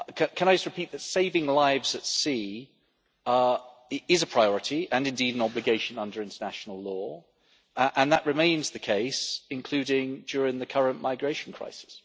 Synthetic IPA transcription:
kʰə̃kʰə̃naɪd͡ʒʌst̚ɹɨpʰiˑt̪̚ðətseɪvɪ̃ŋlaɪvzətsi | ɪzəpʰɹ̥aɪɔɹɨtʰiə̃nɨ̃ndiːdə̃nɒblɨɡeɪʃə̃nʌ̃ndə˞ɪ̃ntʰənæʃn̩əl̩ˠlɔː | ʔə̃nðəʔɹɨmẽɪ̃nzðɨkʰeɪsɪ̃nkʰl̥ʉːɾɪ̃ŋd͡ʒɔːɹɪ̃ŋðɨkʰʌɹə̃nmaɪɡɹeɪʃə̃n̩kʰɹ̥a̰ɪsɪ̥s

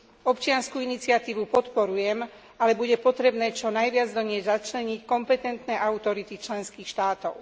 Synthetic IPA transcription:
ɔpt͡ʃɪanskuinit͡sɪat̪iːʋupɔt̪pɔɾujɛm | alɛbuɟɛpɔt̪ɾɛbnɛːt͡ʃɔnajʋɪad͡zd̪ɔɲɪɛzzat͡ʃlɛɲickɔmpɛt̪ɛnt̪nɛʔaut̪ɔɾit̪it͡ʃlɛnskiːxʃt̪aːt̪ɔʊ

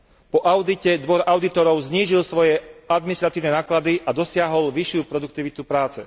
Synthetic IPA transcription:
pɔʔaʊd̪icɛd̪ʋɔɾaʊd̪it̪ɔɾɔʊzɲiːʒilsʋɔjɛad̪minist̪ɾat̪iːʊnɛnaːklad̪iʔad̪ɔsɪaɦɔlʋiʃɪupɾɔd̪uk̚t̪iʋit̪upɾaːt͡sɛ̰

